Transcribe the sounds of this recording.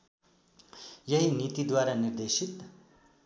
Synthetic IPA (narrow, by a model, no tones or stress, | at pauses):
jʌɦinit̪id̪waɾanird̪esit̪